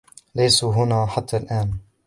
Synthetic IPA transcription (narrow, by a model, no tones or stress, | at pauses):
lajsuɦʊnaːħat̪ʰːalʔaːn